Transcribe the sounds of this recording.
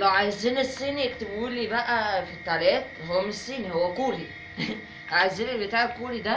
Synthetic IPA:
ʔlæʕajziːnesːiːnik̚t̪ebuːlibæʔæfit̪ːælæːt̪ɦowmːesːiːnihowːækuːɾi | ʕajziːnibet̪aːʕekuːɾid̪æ

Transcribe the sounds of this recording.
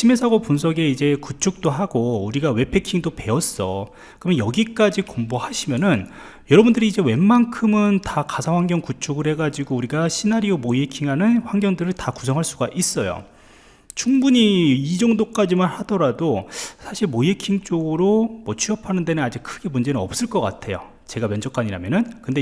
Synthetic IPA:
t͡ɕʰime̞sʰaɡopunsʰʌɡe̞id͡ʑe̞kut͡ɕʰuk̚t͈oɦaɡouɾiɡawe̞pʰe̞kʰiŋdope̞ʌs͈ʌ̰ | kɯɾʌmjʌnjʌɡik͈ad͡ʑikombohaɕʰimjʌnɯn | jʌɾʌbundɯɾiːd͡ʑe̞we̞mːankʰɯmɯntakasʰaɸwaŋɡjʌŋkut͡ɕʰuɡɯɾhe̞ɡad͡ʑiɡouɾiɡaɕʰinaɾiomojekʰiŋɦanɯnɸwaŋɡjʌŋdɯɾɯɭtaku̥s̬ʰʌŋɦaɭs͈uɡaʔis͈ʌjo̰ | t͡ɕʰuŋbuɲiːd͡ʑʌŋdok͈ad͡ʑimanhad̥ʌɾadosʰaɕʰiɭmoiekʰiŋt͡ɕ͈oɡɯɾomwʌt͡ɕʰɥiʌpʰanɯnde̞nɯnad͡ʑik̚kʰɯɡe̞mund͡ʑe̞nɯnʌp̚s͈ɯɭk͈ʌk͈a̰tʰe̞jo̰ | t͡ɕe̞ɡamjʌnd͡ʑʌk͈aɲiɾamjʌnɯnkɯnde

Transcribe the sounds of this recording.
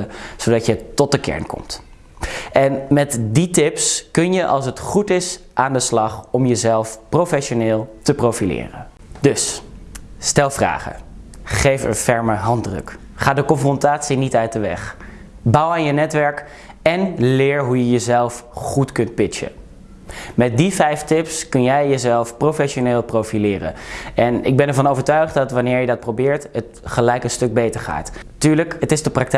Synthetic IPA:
zowdɑtjətɔt̚dəkɛ̰ɹnkɔ̰mt | ʔɛnmɛtditɪpskɵnjəʔɑ̰lˠsətχutɪs | ʔaːndəslɑχɔmjəzɛlˠfprowfɛʃonɪːlˠtəprowfilɪ̰ːrə̰ | d̥ɵs | stɛlˠvra̰ːχə̰ | χejfə̰nfɛɹməɦɑndrɵ̰k | χaːdəkɔnfrɔntaːtsinitœɥt̚dəʋɛ̰χ | bɑwaːnjənɛtʋɛɹk | ɛnlɪːɹɦujəjəzɛlˠfχutkɵnt̚pɪt͡ʃə̰ | mɛt̚divɛjftɪpskɵnjɛjjəzɛlˠfprofɛʃoneːlˠprowfilɪːrə̰nɛnɪɡ̚bɛnɛɹvɑnowvəɹtœɥχtdɑtʋanɪːɹjədɑt̚prowbɪːɹtət | χəlɛjkənstɵɡ̚bejtəɹχa̰ːt | tyːɹləkətɪzdəprɑk̚t

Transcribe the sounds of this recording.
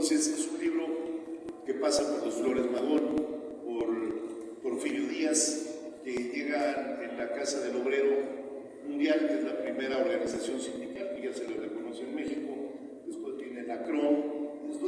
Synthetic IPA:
sesesunliβɾo̞ke̞pasapo̞ɾlosflo̞ɾezmaðon | poɾ | po̞ɾfiɾjoðiaskeʝe̞ɣanenlakasaðe̞lo̞β̞ɾe̞ɾo̞ | mũnd̪jalkezlapɾime̞ɾaoɾɣanisasjo̞nsind̪ikalkeʝaseloreko̞no̞sjeoenme̞xiko̞ | espwest̪jenelakɾoet̪o

